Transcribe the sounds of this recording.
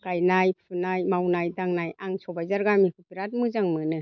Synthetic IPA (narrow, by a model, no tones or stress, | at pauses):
ɡ̥ajnajpʰɯnajmawnajdaŋnajʔaŋsɔbajzaɾɡamikʰupiɾat̚mɯzaŋmɯnɯ